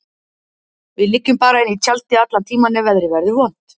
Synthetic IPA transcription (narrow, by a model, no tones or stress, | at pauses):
vɪðlɪcːʏmpaːɾaɪnːit͡ɕʰalt̪ɪat̪lant̪ʰiːmanɛvɛðɾɪvɛɾðʏvɔn̥t̪